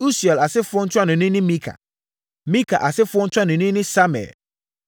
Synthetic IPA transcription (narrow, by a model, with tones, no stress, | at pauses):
u˦su˨ɛ˨la˨sɪ˦fʊ˦ɔ˦n̩˦t͡ɕʰʊ˦a˦˨nʊ̃˨nĩ˦nɪ̃˦mĩ˦kʰa̰˨ | mĩ˦kʰa̰˨ʔa˨sɪ˦fʊ˦ɔ˦n̩˦t͡ʃʰᶣa˦nʊ̃˨nĩ˦nɪ̃˦sa˦mɛ̰˨l